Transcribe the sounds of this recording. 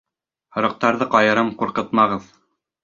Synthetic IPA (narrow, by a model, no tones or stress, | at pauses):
hŏɾɤ̆q̚t̪ɑɾðɤqɑjɤ̆ɾɤmquɾqɤt̪mɑʁɤð